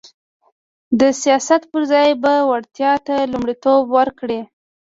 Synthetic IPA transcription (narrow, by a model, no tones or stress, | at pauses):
d̪əsijɑsat̪pəɾzɑjbawaɽt̪jɑt̪alumɽit̪obwəɾkɽi